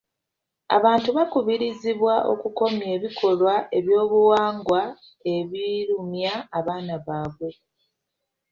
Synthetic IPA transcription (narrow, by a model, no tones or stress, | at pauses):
a̰βaːntuβakuβiɾiziβwaʔo̞̰kuko̞mje̞ːβikʰo̞lwaʔe̞βjo̞ːβuwaːŋɡwa | e̞βiɾumjaːβaːnaβaːβwe̞